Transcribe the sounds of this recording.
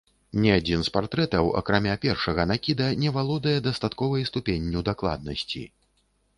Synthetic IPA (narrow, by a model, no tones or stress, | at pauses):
nʲɛad͡zʲinspart̪ɾɛt̪ɐwɐ̰kɾamʲapʲɛrʂɐɣɐnakʲid̪ɐnʲɛvalˠɔd̪ɐjɛd̪ɐst̪at̪kɔvɐjst̪upʲenʲːiwd̪aklˠa̰d̪nɐsʲt͡sʲḭ